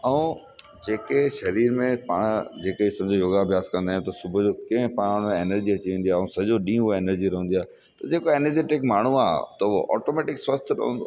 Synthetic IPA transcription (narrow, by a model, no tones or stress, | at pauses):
ɐũ | d͡ʑeːkeʃɐɾiːɾmẽpaːɽ̃d͡ʑeːkəisɐ̃md͡ʑojoːɡabʱjaːzkɐ̃nd̪aːjũt̪ɐsʊbʱʊd͡ʑokɐ̃ɪ̃pãːɽ̃neːnəɾd͡ʑiɐt͡ɕiʋẽːn̆d̪iaːũsɐd͡ʑoɗĩːeːnəɾd͡ʑiɾɐɦũnd̪iaːɦe | t̪ɐd͡ʑeːkoeːnəɾd͡ʑeːʈɪkmaːɳ̤ua̰ːt̪ɐo̰ʔɔ̰ːʈomeːʈɪkswɐst̪ʰɗɐ̰ɦṵ̃nd̪o̰